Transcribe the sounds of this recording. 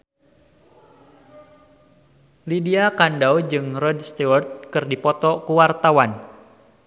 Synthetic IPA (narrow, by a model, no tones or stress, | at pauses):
lidiakandawd͡ʒɨŋrɔdst̪uwɔrt̪̚kɨrdipɔt̪ɔkuwart̪awan